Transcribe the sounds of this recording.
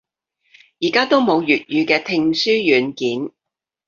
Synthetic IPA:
jiː˨˩kaː˥t̪o˥wmo˨˧wjyː˨t̚jyː˨˧kɛː˧t̪ʰɪ˧ŋsyː˥jyː˨˧nkiː˨˥n

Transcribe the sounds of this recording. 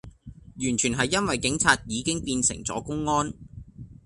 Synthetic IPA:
jyː˨˩nt͡ʃʰyː˨˩nɦɐ˨jːɐ˥nwɐ˨jkɪ˨˥ŋt͡sʰaː˧t̚jiː˨˧kɪ˥ŋpiː˧nsɪ̰˨˩ŋt͡sɔ̰ː˨˥kʊ˥ŋːɔː˥n

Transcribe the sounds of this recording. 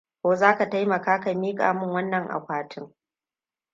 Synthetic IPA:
kʷoː˨zaː˦ka˨ta˦jmɐ˨kaː˦ka˨miː˦kʼa̰ː˨mʊ˦˨ŋwɐ˦nːɐ˨ŋʔa̰˨kʷaː˨tʰɪ˦ŋ

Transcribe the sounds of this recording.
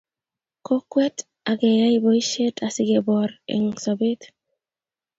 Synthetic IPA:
ko˦kwɛ˦t | a˨ɡɛ˨ja˦i˦bo˨i˦ʃe˦tʰa˨sɪ˦ɡe˨bɔ˨ɾɛ̰˨ŋsɔ˨be˦t

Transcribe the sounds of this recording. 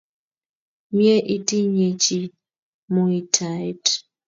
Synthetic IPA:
mje˦ʔi˦ti˦ɲe˨t͡ʃi˦ | mu˨i˨tʰa˨jt

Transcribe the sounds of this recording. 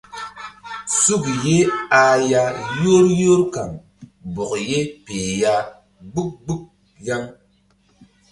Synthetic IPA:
su˦˨kje˦a˧ja˧jo˦ɾjo˦ɾka̰˨ŋ | bɔ˨kje˦pe˨ja˦ | ɡ͡bu˦k̚ɡ͡bu˦k̚ | ja˦ŋ

